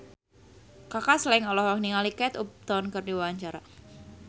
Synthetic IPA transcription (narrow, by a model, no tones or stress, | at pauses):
kakaslaiŋɔlɔɦɔkniŋalikɛt̪up̚t̪ɔnkɨrdiwawaɲt͡ʃaɾa